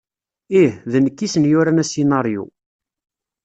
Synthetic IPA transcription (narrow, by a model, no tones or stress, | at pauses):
ihðənəkːisənjʊɾænæsinɑɾjṵ